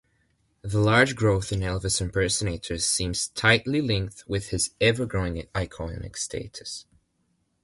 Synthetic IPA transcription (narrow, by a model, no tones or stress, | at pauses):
ðəlaɹd͡ʒɡɹoʊθɨ̃nɛlˠvɨsɨ̃mpʰɜ˞sɨneɪɾə˞z̥sĩmz̥tʰaɪʔlˠilˠɪ̃ŋk̚θwɪð̥ɪzɛvə˞ɡɹoɪ̃ŋaɪkʰɔnɪ̰kstʰḛɪtɨ̥s